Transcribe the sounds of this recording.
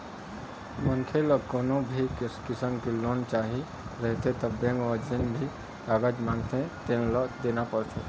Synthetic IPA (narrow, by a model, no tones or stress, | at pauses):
mənkʰelɔkoːnõbʱikɪskɪsəmkeloːnt͡ʃaːɦi | ɾəɦt̪ẽt̪əbjẽŋɡɔd͡ʒɪnbʱi | aɡad͡ʒmãŋt̪ẽt̪ẽnlɔd̪eːnapəɾt̪ʰḛ